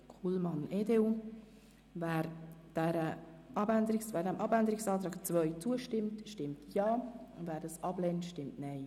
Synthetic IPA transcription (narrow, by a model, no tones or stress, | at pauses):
kʰulmɑnʔeːdew | væːɾd̥æɾəʔɑbænd̪əɾɪksvæːɾdɛmʔɑbænd̪əɾɪksɑːt̪ɾɑːkt͡svœʏt͡suəʃtɪmtʃtɪmtjɑːʊnvæːɾdɑsɑblɛːntʃtɪmtnɛɪ